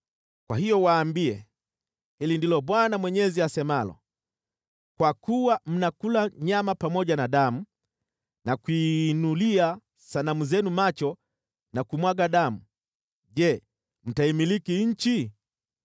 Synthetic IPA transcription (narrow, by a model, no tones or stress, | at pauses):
kwahijɔwaːmbiɛ | hilindilɔɓwanamwɛɲɛziasɛmalɔ̰ | kwakuwam̩nakulaɲamapamɔɟanaɗamu | nakinulia | sanamuzɛnumat͡ʃɔ | nakumwaɡaɗamu | ʄɛ | m̩taimilikiɲ̩t͡ʃi